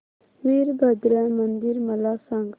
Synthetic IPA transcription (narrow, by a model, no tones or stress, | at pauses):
miɾbad̪ɾamənd̪iɾməlasãŋɡ